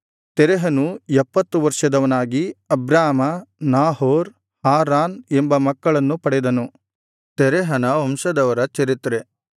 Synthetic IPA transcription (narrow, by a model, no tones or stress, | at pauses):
t̪ɛɾɛɦɐnuɛpːɐt̪ːuʋɐɾʂɐd̪ɐʋɐnaːɡiɐbɾaːmɐnaːɦoːɾ | haːɾaːnembɐmɐkːɐɭɐnːupɐɽɛd̪ɐnu | t̪ɛɾɛɦɐnɐomʃɐd̪ɐʋɐɾɐt͡ʃɐɾit̪ɾe